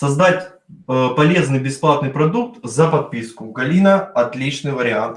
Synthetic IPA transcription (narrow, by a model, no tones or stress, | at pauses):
sɐzd̪atʲ | pɐlʲe̞znɨjbʲɪsplˠat̪nɨjpɾɐd̪uk̚t̪zəpɐt̪̚pʲiskʊɡɐlʲinəɐt̪lʲit͡ɕnɨjvəɾʲɪant̪